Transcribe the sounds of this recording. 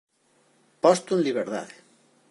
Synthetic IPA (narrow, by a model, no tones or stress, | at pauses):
pɔst̪unliβeɾða̰ð